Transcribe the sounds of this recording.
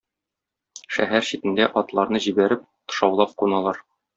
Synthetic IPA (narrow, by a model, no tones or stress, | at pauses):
ʃæɦæɾɕit̪ɘ̆nd̪æʔɒt̪lˠɑɾnɤʑibæɾɘp̚t̪ɤ̥̆ʃɑwlˠɑp̚qunɑlˠɑɾ